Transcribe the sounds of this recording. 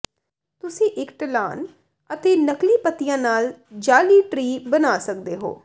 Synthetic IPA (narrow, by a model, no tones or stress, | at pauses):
t̪ʊsĩːʔɪkʈəla̰ːn | ət̪eːnəkliːpət̪ijãːnaːld͡ʒaːliːʈɾiːbənaːsək̚d̪eːɦo̰ː